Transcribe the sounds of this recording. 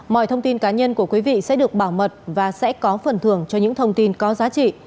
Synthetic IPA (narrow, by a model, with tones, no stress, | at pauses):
mɔ̰˧˨jt̪ʰə˧wŋ͡mt̪i˧nkaː˨˦ɲə˧nku˧˩əkwi˨˦vḭ˧˨sɛ̰˧˥ɗɨ˨˩ək̚ɓaː˧˩wmə˨˩t̚vaː˨˩sɛ̰˧˥kɔ˨˦fə˨˩nt̪ʰɨ˧˩əŋt͡ɕɔ˧ɲɨ̰˧˥ŋt̪ʰə˧wŋ͡mt̪i˧nkɔ˨˦zaː˨˦t͡ɕḭ˧˨